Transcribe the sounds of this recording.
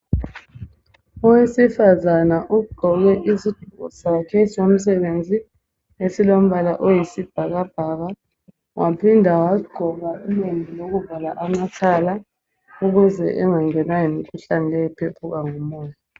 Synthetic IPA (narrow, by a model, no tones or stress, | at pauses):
ɔwesifazanaʔuɡ͡ǃ̥ʱɔɣɛʔizid̥ʱuɣɔ̰zakʰɛsom̩s̬ɛβend͡zʱi | esilom̩βalaʔojisib̥ʱaɣab̥ʱaɣa | wʔapʰindʱawaɡ͡ǃʱɔɣaulembʱiloɣuvalaʔamatʰala | uɣuzɛ̰ʔɛŋaŋɛnajimikʰuɬanilɛjɛpʰepʰuɣaŋɔmɔːja